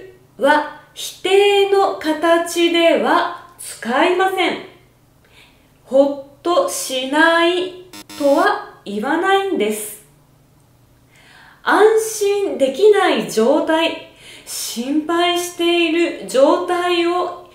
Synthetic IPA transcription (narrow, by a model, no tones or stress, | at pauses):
βaçi̥t̪e̞ːno̞kat̪at͡ɕid̪e̞βat͡sɨ̥kaimasẽ̞ɴ | ho̞t̪ːo̞ɕinait̪o̞βaiβanaĩnd̪e̞sɨ̥ | ãɰ̃ɕĩnd̪e̞kʲinaid͡ʑo̞ːt̪aiɕĩmpaiɕi̥t̪e̞iɾɯ̟d͡ʑo̞ːt̪aio̞